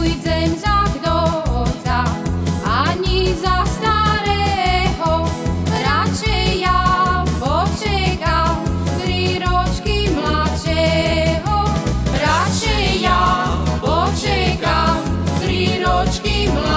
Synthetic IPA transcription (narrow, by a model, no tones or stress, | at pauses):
jd͡zɛmzakd̪ɔɦɔt͡saʔaɲizast̪aɾɛɦɔɾat͡ʃɛjːapɔt͡ʃɛkamt̪ɾiɾɔt͡ʃkimlat͡ʃɛɦɔɾat͡ʃɛjapɔt͡ʃɛkamt̪ɾiɾɔt͡ʃkimla